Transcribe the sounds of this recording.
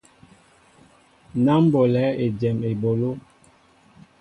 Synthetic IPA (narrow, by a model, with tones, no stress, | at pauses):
na˦m˦bo˨lɛː˨˦e˨d͡ʒɛ˨me˨bo˨lo˦